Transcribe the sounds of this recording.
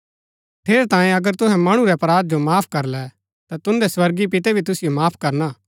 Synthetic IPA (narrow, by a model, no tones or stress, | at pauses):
ʈʰeːɾt̪ãːẽɐɡəɾt̪ʊɦɛ̃mɐɽ̃ũɾɛɐpɾaːd̪̚d͡ʒomaːpʰkɐɾlɛ | t̪at̪ʊ̃nd̪ɛswɐɾɡipɪt̪ɛbʱit̪ʊsɪjomaːpʰkɐɾnaː